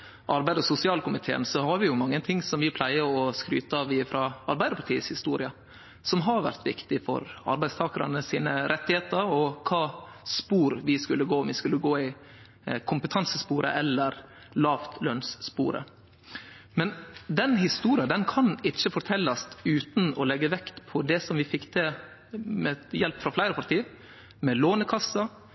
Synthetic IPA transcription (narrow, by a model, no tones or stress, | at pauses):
ʔɑɾbæɪd̪əsʊsɪɑːlkʰʊmɪt̪ʰḛːə̰nsɔhɑɾʋɪjʊmɑŋːənt̪ʰɪŋːsɔmʋɪpʰlæɪəɾɔskɾy̰ːt̪ɑʋɪfɾɑʔɑɾbæɪd̪əɾpʰɑʈʰiːəshɪst̪uːɾɪɑ | sɔmɦɑɾʋæ̰ɾt̪ʋɪkt̪ɪfɔ̰ɾɑ̰ɾbæɪst̪ʰɑːkəɾɑ̰nəsiːnəɾʔɛt̪ːɪheːt̪əɾɔkʰɑː | spuːɾʋɪskʉlːəɡoːɔmʋɪskʉlːəɡoːɪ | kʰʊmpət̪ʰɑnsəspuːɾə̰ʔɛlːəɾ | lɑːft̪lœnsːpṵːɾə̰ | mɛnd̪ɛnhɪst̪uːɾɪɑd̪ɛnkʰɑnɪt͡ʃːəfɔɾʈ̪ʰɛlːɑst̪ʉːt̪n̩ɔlɛɡːəʋɛkt̪pʰɔd̪ɛsɔmʋɪfɪkːt̪ʰe | mɛjɛlpfɾɑflæɪɾəpʰɑɾt̪iː | mɛloːnəkʰɑsːɑ